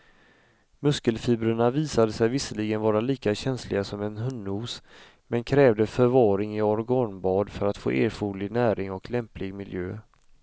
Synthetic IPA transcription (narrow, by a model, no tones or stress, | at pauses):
mɵskəlfiːbɾəɳaviːsad̪əsɛjvɪsəlɪɡənvɑːɾaliːkaɕɛnslɪɡasɔmɛnɦɵnːuːs | mɛnkʰɾɛːvd̪əfœɾvɑːɾɪŋɪɔɾɡɑnbɑːd̪fœɾat̪fo̰ːʔeːɾfuːlɪɡnæːɾɪŋɔklɛmplɪɡmɪljø̰ː